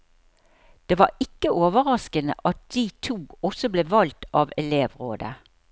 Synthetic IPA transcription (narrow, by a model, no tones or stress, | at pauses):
d̪̥eːʋɑːɪkːəoːʋəʁɑskənə̰ʔɑt̪̚d̪̥iːt̪ʰuːɔsɔbleːʋɑlt̪ʔɑːʋɛleːʋʁoːd̪ə